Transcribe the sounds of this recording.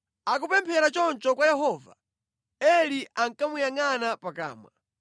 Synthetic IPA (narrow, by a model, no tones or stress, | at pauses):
ak̬upɛmpʰɛɾat͡ʃɔnt͡ʃɔkwajɛɦɔːva̰ | ɛliʔaŋkamujaŋanapaka̰ːmwa̰